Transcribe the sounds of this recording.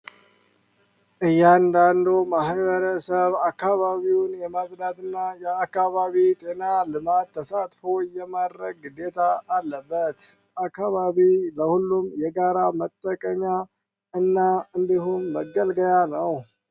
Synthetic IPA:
ʔɨjːand̪and̪omaɦβəɾəsəβakːaβaβiwnjɛmazdat̪ɨnːajɛakːaβaβit̪ʼe̞nalɨmat̪ːʰəsat̪fojɛmad̪ɾəɡɨd̪et̪ʰaːlːəbːət̪ | ʔakːaβaβiləhulːumjɛɡaɾamət̪ʼːəkʼəɲa | ɨnːaɨnd̪iɦumːəɡːəlɡəjanəw

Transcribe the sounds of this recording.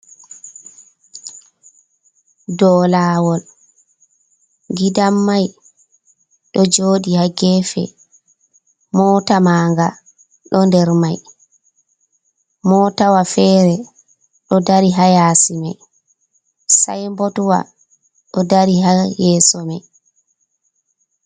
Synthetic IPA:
dɔːlaːwɔl | ɡidamːaj | ɗɔd͡ʒoːɗihaɡɛfɛ̰ | mɔːtamaːŋɡa | ɗɔndɛɾmaj | mɔːtawafɛːɾɛ | ɗɔdaɾiɦajaːsimɛ̰ | sa̰jmbɔtwa̰ | ɗɔdaɾiɦajɛːsɔmɛ

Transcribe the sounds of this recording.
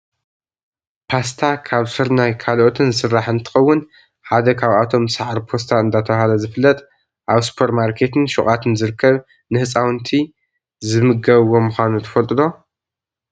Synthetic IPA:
pʰast̪ʰakʰaβsɨɾnajkʰalʔo̞t̪ʰɨnsɨrːaħɨnt̪ʰɨ̥xɐwːʊn | ħad̪ɐkʰaβat̪ʰo̞msaʕɾpʰo̞st̪ʰaɨnd̪at̪ʰɐβahalɐzɨfɨlːɐt̪ʼ | ʔaβsu̥pʰeɾmaɾkʰe̞t̪ʰɨnʃuχʼat̪ʰɨnzɨɾɨkʰːɐβ | nɨhɨt͡sʼawnt̪ʰi | zɨmɨɡɐβwːo̞mɨxʷanut̪ʰɐ̥fɐlt̪ʼɨd̪o̞

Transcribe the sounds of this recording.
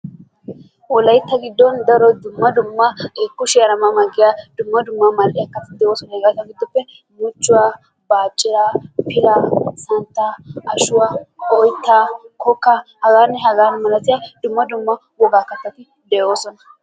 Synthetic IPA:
ʔɔlɐjt̪ːɐɡɪd̪ːɔnd̪ɐɾɔd̪ʊmːɐd̪ʊmːɐeːkːʊʃɪjɐɾɐmɐmɐɡːɪjaːd̪̥ʊmːɐd̪ʊmːɐmɐlʔɪjɐkːɐt̪ɪd̪ɛʔoːsɔnɛːɡɐt̪ːɐɡɪd̪ːɔpːɛ | mʊt͡ʃːʊwaː | baːt͡ʃʼːɪɾapɪlaːsɐnt̪ːaɐʃʊwaɔjt̪ːakɔkːahɐɡaːnːɛɦɐɡaːnmɐlɐsɪjaːd̪ʊmːɐd̪ʊmːɐ | wɔɡaːkːɐt̪ːɐt̪ɪ | d̪ɛʔo̞ːsɔnɐ̥

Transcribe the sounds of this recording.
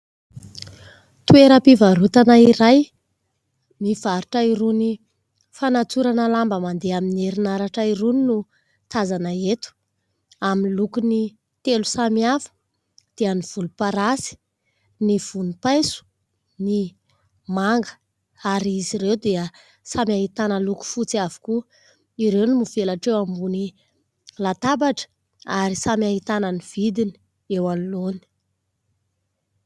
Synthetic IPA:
t̪ueɾəpivaɾut̪anaiɾaj | mivaɾuʈ͡ʂaiɾuni | fanat͡suɾanəlambəmand̪eamineɾinaɾaʈ͡ʂaiɾuninu | t̪azanəet̪u̥ | aminlukuni | t̪elu̥samiafə̥ | d̪̥eaniv̥ulupaɾasi̥ | niv̥unipajsu̥ | ni | maŋɡə̥ | aɾiiziɾewd̪eə | samjaɦit̪anəluku̥fut͡siavu̥ku | iɾewnimuv̥elaʈ͡ʂewambuni | lat̪abaʈ͡ʂə̥ | aɾisamiaɦit̪anəniv̥id̪ini̥ | ewaluloni̥

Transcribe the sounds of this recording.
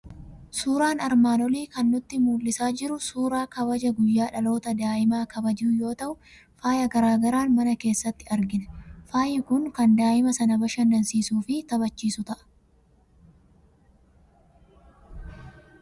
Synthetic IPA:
suːɾaːnɐɾmaːnɔliːkɐnːʊt̪ːɪmuːlːɪsaːd͡ʒɪɾʊsuːɾaːkɐbɐd͡ʒɐɡʊjːaːᶑɐlo̞ːt̪ɐd̪aːʔɪmaːkɐbɐd͡ʒuːjo̞ːt̪ɐʔʊ | faːjɐɡɐɾaːɡɐɾaːnmɐnɐke̞ːsːɐt̪ːɪɐɾɡɪnɛ̥faːjːɪkʊŋkɐnd̪aːʔɪmɐsɐnɐbɐʃɐnd̪ɐnsiːsuːfɪt̪ɐbɐt͡ʃːiːsʊt̪ɐʔɐ̥

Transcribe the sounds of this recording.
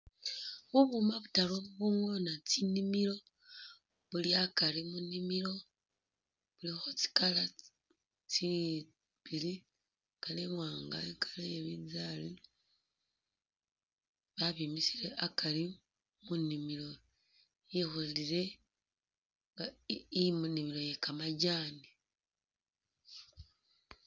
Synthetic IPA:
βuβumaβutaloβuβuŋonat͡sinimiɾo̞ | βuliakalimunimilo̞ | βulixot͡si̥kala | t͡si | βili | kalemwaːŋɡaikʰḁlejeβizali | βaβimisile̞ʔakali | munimilo̞ | jexoliɾe̞ | amunimilo̞je̞kamaɟaːni

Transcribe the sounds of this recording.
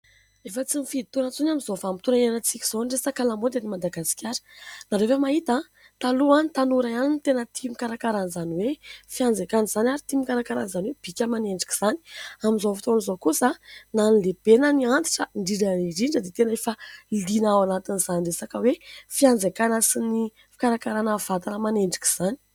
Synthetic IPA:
efət͡simifiit̪onət͡sunamizovamit̪unaenat͡sikʲi̥z̥oɖ͡ʐesakalamod̪animad̪aɡasi̥kʲaɾə̥naɾevemaɦit̪a | t̪aluant̪anuɾaanint̪enət̪ʰimikaɾakaɾanzaniwefiand͡zekanizanaɾit̪imikaɾakaɾanizaniweb̥ikʲamaneɳɖ͡ʐi̥ki̥z̥ani̥aminzofi̥t̪onizokusananleb̥enəniant̪i̥ʈ͡ʂəɳɖ͡ʐiɾəiɾiɳɖ͡ʐəd̪et̪enefalinawanat̪inizaniresakəwefiand͡zekanasini | fi̥kaɾakaɾanəvat̪anəmaneɳɖ͡ʐi̥ki̥z̥ani̥

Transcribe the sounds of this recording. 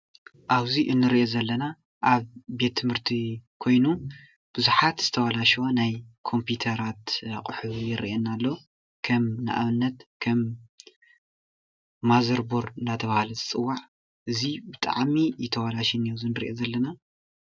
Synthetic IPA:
ʔaβziʔɨnːɨɾiʔezɐlːɐna | ʔaβbe̞t̪ʰːɨmhɨɾt̪ʰikʰo̞jnu | b̥ɨzuħat̪z̥ɨ̥t̪ʰɐwalaʃonajkʰo̞mput̪ʰɐɾat̪aqʼɨħuβjɪɾḭʔenːalːo | kʰɐmna̰ʔa̰βɨnːɐt̪kʰɐm | azɐɾboɾɨndat̪ʰɐβahalɐzɨt͡sʼɨwːaʕ | ʔɨzibɨt̪ʼa̰ʕmijɪt̪ʰɐwalaʃinizinɨɾḭʔozɐlːɐna

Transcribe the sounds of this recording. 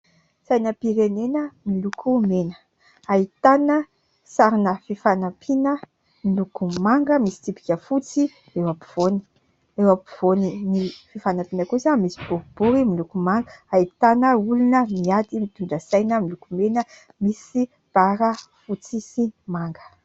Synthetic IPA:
sajnəpiɾenenəmilukʰumenə̥ | ait̪anə | saɾinəfifanapʰinə | milukumaŋɡəmisi̥t̪ipi̥kʲəfut͡si | ewapi̥v̥oni̥ | ewapiv̥oninififanapinəkusamisi̥b̥uɾib̥uɾimilukumaŋɡəait̪anəulunəmiad̪imit̪uɳɖ͡ʐəsajnəmilukumenə | misi | b̥aɾəfut͡sisimaŋɡə̥

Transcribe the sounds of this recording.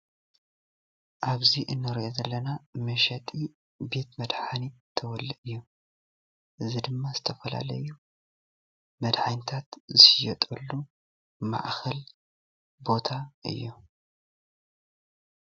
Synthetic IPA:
ʔaβziʔɨnːɨɾʔozɐlːɐnamɐʃɐt̪ʼi | be̞t̪mɐd̪ħanit̪ʰɐwɔlːiʔɨjːu | ʔɨzid̪ɨmːazɨt̪ʰɐfɐla̰lɐ̰ju | mɐd̪ħant̪ʰat̪zɨʃjɛt̪ʼɐlːu | ma̰ʕxɐl | bo̞t̪ʰaʔɨ̰jːu

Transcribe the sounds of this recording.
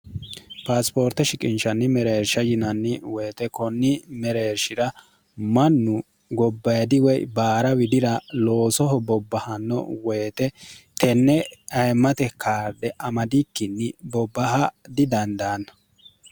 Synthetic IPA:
paːspo̞ːɾt̪ɛʃɪkʼɪnʃɐnːɪmɛɾeːɾʃɐjɪnɐnːɪweːt̪ɛkɔnːɪmɛɾeːɾʃɪɾɐ | mɐnːʊ | ɡɔbːɐjd̪ɪwɛjbaːɾɐwɪd̪ɪɾɐlo̞ːsɔɦɔbɔbːɐhɐnːɔ̰weːt̪ɛt̪ʰɛnːɛɐjmːɐt̪ɛkʰaːɾd̪ɛʔɐmɐd̪ɪkːɪnːɪbɔbːɐɦɐd̪ɪd̪ɐnd̪aːnːɐ̥

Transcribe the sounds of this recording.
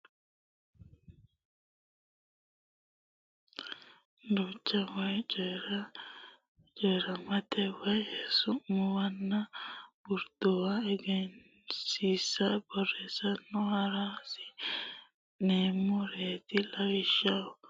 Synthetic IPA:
d̪ut͡ʃːɐwɐjt͡ʃʼɔɾɐ | t͡ʃʼɔjɾɐmɐt̪ɛwɐjhɛsʊmɔwɐnːɐwʊɾd̪̥ɔwɐɛɡɛn | siːsːɐbɔrɛsɐnːɔhɐɾaːsɪ̥ | neːmːɔɾeːt̪ɪlɐwɪʃaw

